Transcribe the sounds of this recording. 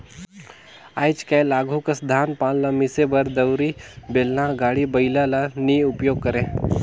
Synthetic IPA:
aːjt͡ʃkalaːɡʱukɐsd̪ʱaːnpãːllamɪsebɐɾd̪ɐwɾibeːlnãɡaːɽibəɪlalaniːʊpjoːɡ̚kɐɾẽː

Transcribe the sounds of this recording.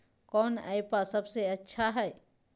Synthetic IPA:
kɔːna̰jpasəbseɐtːʃʰaɦɛː

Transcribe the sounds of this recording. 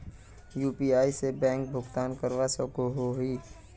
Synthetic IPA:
juːpiːaːisebɛ̃ːŋk̚bʱʊɡt̪aːnkəɾʋasokoɦoɦiː

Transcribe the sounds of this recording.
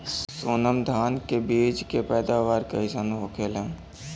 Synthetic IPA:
soːnəmd̪ʱaːnkebiːd͡ʒkepɛːd̪aʋaːɾkɐisanuokʰeːlẽː

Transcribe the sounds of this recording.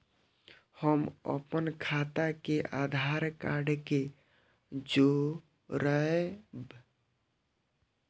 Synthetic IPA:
həmə̰pənkʰat̪akeʔad̪ʱaɾkaɖke | d͡ʒo | ɾəeb

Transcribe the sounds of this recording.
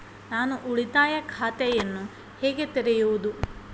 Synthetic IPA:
naːnuʔuɭit̪aːjɐkʰaːt̪ɛjɐnːu | hɛːɡe̞t̪eɾɛjuʋud̪u

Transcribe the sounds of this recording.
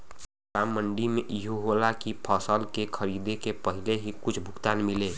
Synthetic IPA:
ɾamːəɳɖimeʔiɦuɦolakipʰəsəlkekʰəɾid̪ekepəɦileɦikʊt͡ʃʰbʱʊkt̪anmile

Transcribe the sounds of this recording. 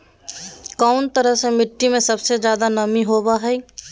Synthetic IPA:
kaʊnt̪əɾəɦsẽmɪʈːimẽsəbsed͡ʒjaːd̪anəmiɦoːbaɦɛi

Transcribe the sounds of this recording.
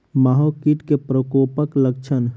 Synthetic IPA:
maɦokiʈkepɾəkoːpəkləɡ̚t͡ʃʰən

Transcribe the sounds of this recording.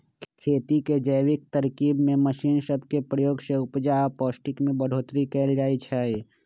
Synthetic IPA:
kʰeːt̪iked͡ʒəjwɪk̚t̪əɾkiːbmẽməʃiːnsəbʱkepɾəjoːɡseʊpd͡ʒapɔːsʈɪkmẽbəɽ̤ʱoːt̪ɾikɛːld͡ʒaːit͡ʃʰaːi

